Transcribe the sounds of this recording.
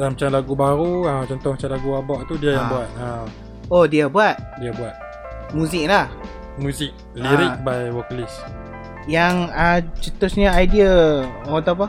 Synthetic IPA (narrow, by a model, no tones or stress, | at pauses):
damat͡ʃamlaɡubaɾuəmt͡ʃɔnt̪ɔhmat͡ʃalaɡuabɔʔt̪udiajaŋbuat̪̚əm | odiabuat̪̚diabuat̪̚ | mũzɪk̚lah | muzɪk̚ | liɾibajwəklis | jaŋət͡ʃət̪ʊsɲəajdiəot̪ap̬a